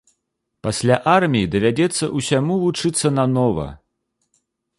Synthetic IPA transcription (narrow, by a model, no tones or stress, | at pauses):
pasʲlʲaʔarmʲijid̪ɐvʲad͡zʲɛt̪sːɐ̰ʔusʲamuvut͡ʂɨt̪sːɐnanɔvɐ̰